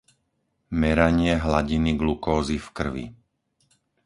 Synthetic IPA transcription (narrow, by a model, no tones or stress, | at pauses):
mɛɾaɲɪɛɦlaɟiniɡlukɔːzifkr̩ʋḭ